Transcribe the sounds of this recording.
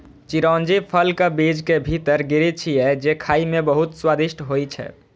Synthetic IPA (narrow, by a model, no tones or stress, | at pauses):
t͡ʃiɾɔnd͡ʒipʰəlkebid͡ʒkebʱit̪əɾɡiɾit͡ʃʰijɛd͡ʒekʰaimebəɦut̪swad̪iʃʈʰɦojt͡ʃʰɛ̰